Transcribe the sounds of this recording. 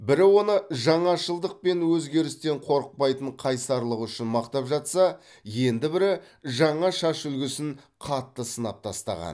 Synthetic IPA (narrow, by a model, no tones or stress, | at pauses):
bɪɾɪwo̞nəʒɑɴɑʃəlˠd̪əq̚pe̞nwɵzɡʲe̞ɾɪst̪e̞ɴqʰo̞ɾəq̚pɑjt̪əɴqʰɑjsɑɾlˠəqʏʃɪnmɑqt̪ɑpʒɑt̪sɑ | je̞nd̪ɪbɪɾɪ | ʒɑɴɑʃɑʃʏlɡʲɪsɪn | qʰɑt̪ːəsənɑp̚t̪ʰɑst̪ɑ̰ʁɑ̰n